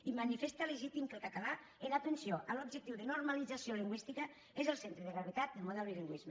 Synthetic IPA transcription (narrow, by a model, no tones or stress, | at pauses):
imanifest̪əleʒit̪imkəlˠkat̪ala | eðat̪ənsioʔəlobʒək̚t̪iwðənurmalid͡zasioliŋɡwist̪ikə | ezəlˠsent̪ɾəðəɣɾaβet̪at̪̚d̪əmoðaliliŋɡwizmə